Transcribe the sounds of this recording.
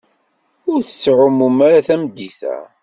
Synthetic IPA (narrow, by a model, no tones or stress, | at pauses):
ʊɾθə̥t͡sːʕʊmumaɾaθæmd̪ːiθæ̰